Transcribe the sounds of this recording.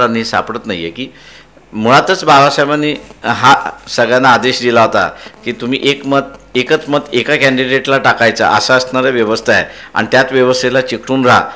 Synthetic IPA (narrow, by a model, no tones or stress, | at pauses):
ɾañisa̰pɽət̪najːḛkiː | muɭat̪ət͡sbabaɕajmaniɦasəɡɭjanaːd̪eɕd̪ilaɦot̪a̰kiːt̪um̤iːʔekməd̪̚ekət͡sməd̪ekakɛ̃ɳɖiɖeʈlaʈakajt͡sa̰ʔə̰saəsɳaɾjaʋjəʋəst̪ʰaj | a̰ñit̪jat̪ʋjəʋəst̪ʰelat͡ɕikɽuːnɾa̰